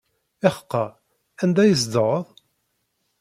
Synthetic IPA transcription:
æχə̥qːɑ | ænd̪æjəs̬d̪əʁəðˤ

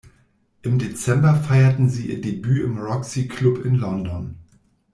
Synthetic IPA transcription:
ʔɪmdet͡sɛmbɐfaɪɐtn̩ziːʔḭːɐdebyːʔɪmʁɔksikʰlʊpɪnlɔndɔn

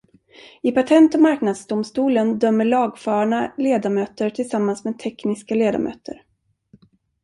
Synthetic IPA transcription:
ɪpat̪ʰɛnt̪ɔmaɾknad̪sd̪ʊmst̪uːlənd̪œmːəɭɑːɡfœːɳaleːd̪amøːt̪əɾʈʰɪlsamːansmeːd̪̚t̪ʰɛknɪskaleːd̪a̰mʔø̰ːt̪ʰə̰ɾ

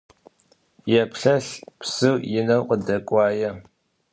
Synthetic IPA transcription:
jɛpɬɐɬpsɨwjɪnɐwqədɐkʷʼɑːjɐ

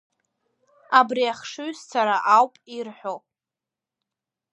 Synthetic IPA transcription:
abriaχʂɨɥzt͡sʰaɾaʔawpʼirħʷᶣo

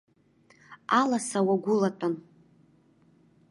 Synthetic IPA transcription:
alasawaɡʷʊlatʼan

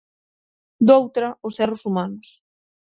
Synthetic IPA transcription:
d̪owt̪ɾɐʊsɛrʊsumanʊs

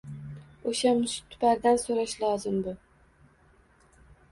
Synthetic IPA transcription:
oʃamʊʃt̪ʰːʊ̥pʰaɾd̪ansoɾaʃlˠɒzɪmbʊ

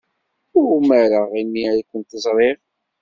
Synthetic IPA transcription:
ʊmæɾəʁinːiakʷːənt̪əzˤɾˤeʁ

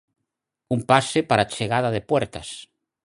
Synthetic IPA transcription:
umpasepaɾat͡ʃeɣaðaðepwɛɾt̪ɐs

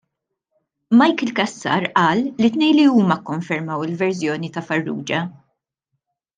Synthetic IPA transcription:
mɐjkɪlkɐsːɐ̰ɾʔɐːlːit̪nɛjliuːmɐkːɔɱfɛɾmɐwɪlvɛɾzjɔːnit̪ɐfɐrːṵːd͡ʒɐ

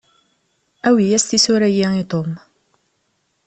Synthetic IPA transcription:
æwijæst̪isuɾæjiit̪ˤom

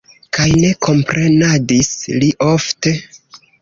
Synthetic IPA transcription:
kajne̞kʰo̞mpɾʔe̞nadisliʔo̞fte̞

